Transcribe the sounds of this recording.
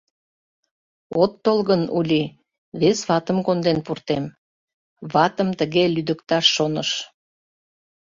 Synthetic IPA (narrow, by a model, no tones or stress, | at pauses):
ot̪ːolɣənulʲi | βesβɑt̪əmkond̪enpurt̪em | βɑt̪əmt̪əɣelyd̪əkt̪ɑʃːonəʃ